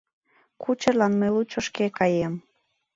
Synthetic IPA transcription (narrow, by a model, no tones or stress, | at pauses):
kut͡ɕəlɑnməlut͡ɕoʃkekɑjem